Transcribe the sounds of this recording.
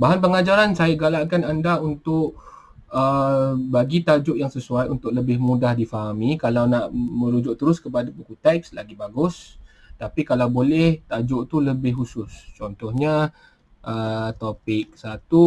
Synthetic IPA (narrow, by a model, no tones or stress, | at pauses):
baɦanpəŋad͡ʒaɾansajaɡalaʔkanandaunt̪ʊʔ | əbaɡit̪ad͡ʒʊʔjaŋsəsuajunt̪ʊʔ̚ləbɪhmudahdifaɦamikalawnaʔmə̃ɾud͡ʒʊʔt̪əɾʊskəpadapukut̪ɛk̚slaɡibaɡʊs | t̪apikalawbolɛht̪ad͡ʒʊʔt̪uləbɪhɦusʊst͡ʃɔnt̪ɔhɲa | ʔət̪opɪk̚sat̪u